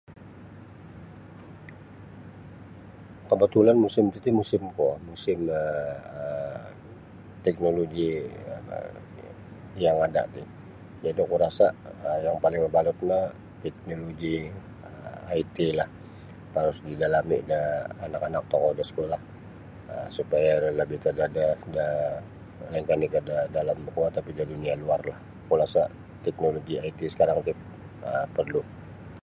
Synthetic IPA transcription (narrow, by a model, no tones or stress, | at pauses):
kəbət̪ulanmusɪmt̪it̪imusɪmkumusɪməə | t̪ɛk̚noloɡiə̰ | jaŋada̰ʔt̪ɪh | d͡ʒadikuɾasaəjaŋpalɪŋəbalʊt̪̚na | t̪ɛk̚noloɡi | əait̪ilah | paɾʊsdidalamidaːnakanak̚t̪okɔdasə̥kolah | ə̰supajaləbɪht̪adadada | laiŋkanikadadalaməkuat̪ːapidadunialuarlah | kuɾasaʔ | t̪ɛk̚noloɡiait̪isə̥kaɾaŋt̪ɪp̚ | əpərlu